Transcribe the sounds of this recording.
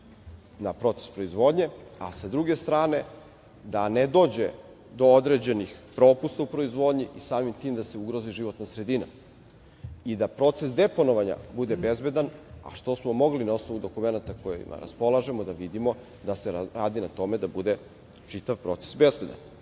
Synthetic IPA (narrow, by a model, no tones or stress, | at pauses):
napɾo̞t̪se̥spɾoizʋo̞d̪ɲe̞a̰sad̪ɾuɡe̞st̪ɾaːne̞ | d̪ane̞d̪o̞ːd͡ʑe̞ | d̪o̞od̪ɾe̞d͡ʑe̞nixpɾo̞ːpust̪aupɾo̞izʋo̞d̪ɲiʔisaːmimt̪iːmd̪ase̞uɡɾoziʒiʋo̞t̪nasɾe̞d̪ina̰ | id̪apɾo̞ːt̪se̞sd̪e̞po̞noʋaɲa̰bud̪e̞be̞zbe̞d̪ana̰ʃt̪o̞smo̞mo̞ɡlinao̞sno̞ʋud̪o̞kume̞nat̪akojḭma̰ɾa̰spo̞lˠaʒe̞mo̞d̪aʋid̪imo̞ | d̪aseɾaːd̪inat̪o̞me̞d̪abud̪e̞ | t͡ʃit̪aʋpɾo̞ːt̪sesbe̞zbe̞d̪a̰n